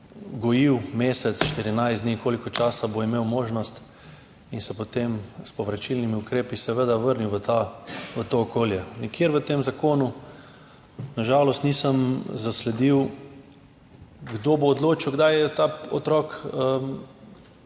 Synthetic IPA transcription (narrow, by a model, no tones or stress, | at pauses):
ɡɔjiwmeːsɛt̪sʃt̪iɾinajsd̪nikoːlikɔt͡ʃaːsaboimeːwmoːʒnɔst̪ | insɛpot̪emspɔʋɾat͡ʃilnimiukɾeːpisɛʋed̪aʋəɾniwʋət̪aʋət̪oːkoːljɛnikjeːɾʋət̪eːmzakoːnu | naʒaːlɔst̪niːsəmzaslɛd̪iw | ɡd̪oboːd̪loːt͡ʃiwɡd̪ajɛt̪aɔt̪ɾɔːkəm